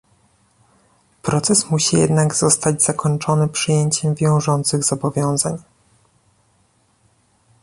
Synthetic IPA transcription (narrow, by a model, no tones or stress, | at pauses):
pɾɔt̪sɛsmuɕijɛ̰d̪naɡz̥ɔst̪ad͡ʑz̥akʰɔɲt͡ʂɔnɘpʂɘjeɲt͡ɕɛmvʲjɔ̃w̃ʐɔnt̪sɘɣzɔbɔvʲjɔ̃w̃zaɲ